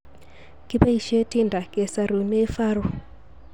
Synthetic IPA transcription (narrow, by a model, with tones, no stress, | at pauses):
ki˦pa˦i˦ʃe˦ti˦ndʱa˨ke˨sa˨ɾu˨ne˦fa˦ɾu˨